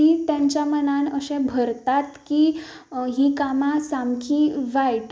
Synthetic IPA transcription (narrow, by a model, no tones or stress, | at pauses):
it̪jãɲt͡ɕjamənanəsɛ̃bʱəɾt̪at̪kiː | ɦikamasamkʰiːʋajʈ